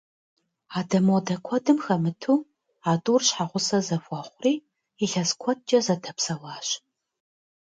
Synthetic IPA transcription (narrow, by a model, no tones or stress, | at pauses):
aːdɐmoːdɐkʷʰɔdɨmxɐmɨtʰuː | aːtʼurɕħaʁʷʊsɐzɐfʷʼɔχʷʊriː | iɬɐskʷʰɔt̚t͡ʃʼɐzɐtʰɐpsɐwaːɕ